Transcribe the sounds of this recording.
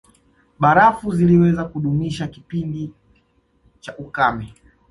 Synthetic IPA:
ɓaɾafuziliwɛzakuɗumiʃakipindi | t͡ʃaʔukamɛ

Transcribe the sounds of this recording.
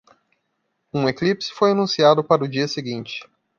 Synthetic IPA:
ũeklipsɪ̥fojanũsiad̪ʊpaɾɐʊd͡ʒiɐseɡĩnt͡ʃɪ̥

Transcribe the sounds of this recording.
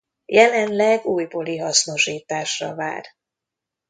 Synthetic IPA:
jɛlɛnlɛɡuːjbo̞liɦɒsno̞ʃiːt̪aːʃrɒ̰va̰ːr

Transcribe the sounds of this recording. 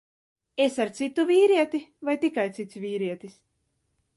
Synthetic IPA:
esaɾt̪sit̪uvʲiːɾiɛt̪ivajt̪ikajt̪sit̪svʲiːɾiɛt̪is

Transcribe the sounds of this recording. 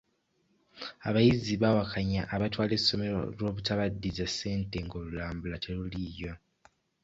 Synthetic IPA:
aβajiziβawakʰaɲaʔːβatwaːle̞sːo̞me̞ɾo̞̰lwo̞ːβutaβadːizase̞ːnte̞ŋɡo̞lulaːmbulatʰelulijo̞

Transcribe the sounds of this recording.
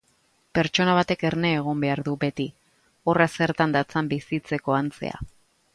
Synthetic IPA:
pe̞ɾt͡ʃo̞naβ̞at̪e̞ke̞ɾne̞ːɣ̞ombe̞aɾðube̞t̪i | o̞rase̞ɾt̪and̪at͡sambisit͡se̞ko̞ant͡se̞̰a̰

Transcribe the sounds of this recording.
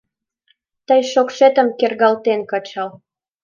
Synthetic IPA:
t̪əjʃokʃet̪ə̆mkerɣɑlt̪enkət͡ɕɑl

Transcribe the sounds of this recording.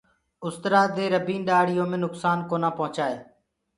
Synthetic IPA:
ʊst̪ɾaːd̪eːɾəbĩːnɗaːɽɪjõːmẽːnʊksaːnkoːnãːpəɦʊt͡ʃaːeː

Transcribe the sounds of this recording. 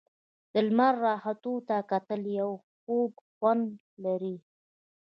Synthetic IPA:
d̪̥əlmaɾːɑhat̪ot̪akat̪əljawxobxwand̪ | laɾi

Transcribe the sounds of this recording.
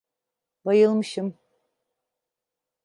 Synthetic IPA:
bajɯlˠmɯʃɯm

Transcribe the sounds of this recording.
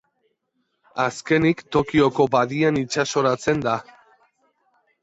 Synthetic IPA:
aske̞nikt̪o̞kio̞ko̞baðianit͡ʃaso̞ɾat͡se̞nd̪a

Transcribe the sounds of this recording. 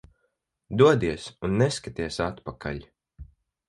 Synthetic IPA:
d̪uɔd̪iɛsunːɛskat̪iɛsat̪pakʰa̰ʎʲ

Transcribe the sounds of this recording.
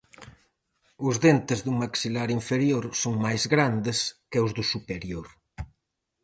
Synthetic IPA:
ʊzðent̪ɪzðuŋmaksilaɾiɱfeɾjoɾsoŋmajzɣɾand̪ɪskeʊzðʊsupeɾjoɾ

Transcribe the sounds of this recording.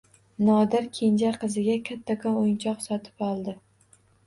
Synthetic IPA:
nɒd̪ɪɾkʲʰe̞nd͡ʒaqʰɨzɪɡʲakʲʰat̪ʰːakʰɒojnt͡ʃʰɒqsɒt̪ʰɪ̥pɒlˠd̪ɪ

